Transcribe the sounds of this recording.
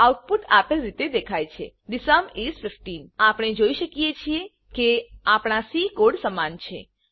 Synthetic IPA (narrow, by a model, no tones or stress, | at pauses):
awʈ̚put̪ʰapəlɾit̪ed̪ekʰajt͡ʃʰḛɖisamesfɪfʈinapɽ̃ed͡ʒoiʃəkijet͡ʃʰie | keapɽ̃asikoɽsəmant͡ʃʰḛ